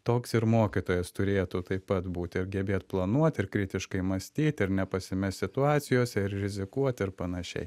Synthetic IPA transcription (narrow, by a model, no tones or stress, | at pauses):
t̪oːksɪɾmoːkʲɪt̪oːjɛst̪ʊɾʲeːt̪uːt̪ɐɪpːɐt̪buːt̪ʲɪɾɡʲɛbʲeːt̪plˠɐnuɔt̪ʲɪɾkɾʲɪt̪ʲɪʃkɐɪmɐsʲt̪ʲiːt̪ʲɪɾnʲɛpɐsʲɪmʲɛsʲsʲɪt̪ʊɑːt̪sʲɪjoːsʲɛɪɾɾʲɪzʲɪkuɔt̪ʲɪɾpɐnɐʃʲɛ̰ɪ